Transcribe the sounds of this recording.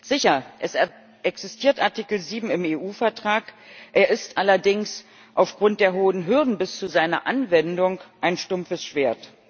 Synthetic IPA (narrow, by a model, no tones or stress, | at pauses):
z̥ɪçɐʔɛs | ʔɛksɪstʰiːɐtʔaɐtikl̩ziːbm̩ɪmeːʔuːfɛɐtʁ̥aːkʔeːɐɪstʔalɐdɪŋs | ʔaʊfɡ̥ʁʊnt̚d̥eːɐɦoːənɦʏɐdn̩bɪst͡suzaɪnɐ̰ʔanvɛndʊŋkʔaɪnʃtʊmfəsʃv̥eːɐt